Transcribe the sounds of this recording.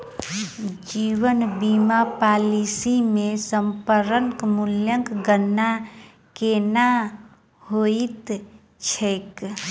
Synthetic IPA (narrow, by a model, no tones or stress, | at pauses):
d͡ʒiːwənbimapalisimẽsəmpəɾəŋkmuljəŋkɡənːa | kena | hoit̪ | t͡ʃʰek